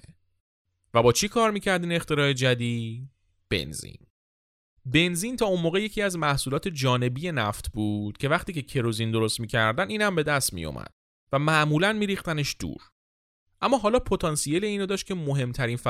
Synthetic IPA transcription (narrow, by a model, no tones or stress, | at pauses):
væbɒːt͡ʃʰikʰɒːɾmiːcʰæɾd̪iːne̞χt̪e̞ɾɒːe̞d͡ʒæd̪iːd | b̥e̞̰nzḭn | be̞nzint̪ʰɒːunmoːɣeje̞cʰiːæzmæhsuːlɒːt̪ʰe̞d͡ʒɒːne̞bije̞næft̪ʰbuːd̪̥cʲʰe̞væχt̪iːcʰe̞cʰe̞ɾozind̪o̞ɾost̪miːcʰæɾd̪æniːnhæmbe̞d̪æst̪mḭjo̰mʔæ̰d̪̥̚ | væmæʔmuːlænmiːɾixt̪æne̞ʃd̪̥ṵːɾ | ʔæmːɒːɦɒːlɒːpʰo̞t̪ʰɒnsijele̞iːnod̪ɒːʃt̪cʰʲe̞moɦe̞mt̪ʰæɾiːnfæ